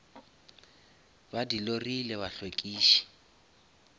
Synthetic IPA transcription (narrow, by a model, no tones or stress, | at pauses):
badilorilɛbaɬwekʼiːʃi̥